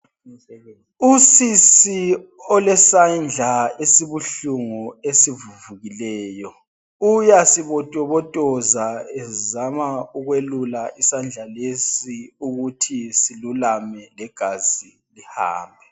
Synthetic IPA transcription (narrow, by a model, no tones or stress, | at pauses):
usisiɔlɛsand͡ɮʱaesiβuɬuŋɔesivuvuɣilɛːjɔ | ujasiβɔtʼɔβɔtʼɔzaɛzamauɣwelulaʔisand͡ɮʱalesiuɣutʰisilulamɛlɛɡ̥ʱazi | liha̰ːmbʱɛ